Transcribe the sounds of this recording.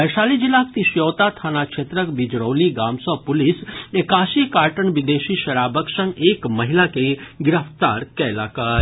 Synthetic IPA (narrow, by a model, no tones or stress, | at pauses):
ɛʃaːlid͡ʒɪlak̚t̪iʃjoːt̪at̪ʰaːnakʃʰeːt̪ɾəkbɪd͡ʒɾoːliɡaːmsəʋpʊlɪsekaːsikaːɾʈənʋɪd̪eːʃiʃɐɾaːbəksə̃ŋɡeːkmɐɦɪlakeɡɪɾəpt̪aːɾkɛlaːkaː